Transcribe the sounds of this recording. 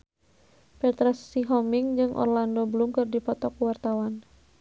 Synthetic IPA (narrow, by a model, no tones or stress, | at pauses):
pɛt̪ɾɛsːiɦɔmiŋd͡ʒɨŋʔɔ̰rlandɔbəlumkɨrdipɔt̪ɔkuwart̪awan